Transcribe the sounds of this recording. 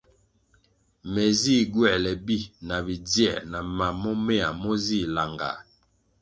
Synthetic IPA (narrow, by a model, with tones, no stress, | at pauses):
mɛ˨zi˦˨ɡwɛ˦˨lɛ˨bi˦na˨bi˨d͡zjɛ̰˦˨na˨ma˨mɔ˦mɛ˦a̰˨mɔ˦zi˦la˨ŋɡa̰˨